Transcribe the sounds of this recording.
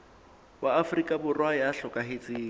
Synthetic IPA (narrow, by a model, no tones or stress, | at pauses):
waafrikʼabʊrwajaɬɔkʼaɦet͡sʼiː